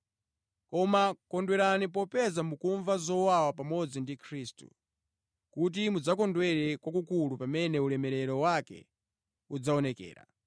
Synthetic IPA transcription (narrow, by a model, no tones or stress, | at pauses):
kɔmakɔndwɛɾanipɔpɛzamukuɱvazɔwawapamɔd͡zindikʰɾiːstṵ | kut̬imud͡zakɔndwɛɾɛkwakukulupamɛnɛulɛmɛɾɛɾɔwakɛ̰ | ud͡zaɔnɛkɛ̰ːɾa̰